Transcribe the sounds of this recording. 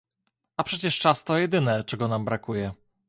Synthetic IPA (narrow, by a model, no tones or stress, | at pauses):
apʂɛt͡ɕɛʂt͡ʂast̪ɔjɛd̪ɘnɛt͡ʂɛɡɔnambɾakujɛ